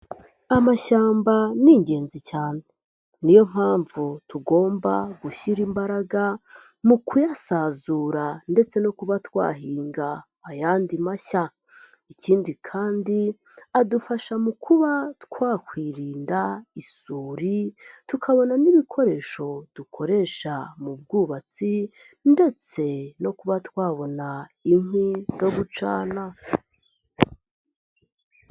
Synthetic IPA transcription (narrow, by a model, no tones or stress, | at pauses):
amaʃaːmbaniːŋɟe̞ːnzicaːne̞ | nijo̞m̥haːɱvutʰuɡo̞ːmba̰ɡuʃiɾimbaɾaɡa | mukujasazuːɾande̞t͡se̞no̞kuβatwa̰ːɦiːŋɡaː | jaːndimaʃa | iciːndikʰaːndi | adufaʃamukʰuβatkwaːkwiːɾiːndaisuːɾitukʰaβo̞naniβikʰo̞ɾe̞ʃo̞d̥ukʰo̞ɾe̞ʃamub̚ɡuːβat͡si | nde̞t͡se̞no̞kuβatwaːβo̞naiŋ̥izo̞ɡut͡ʃa̰ːna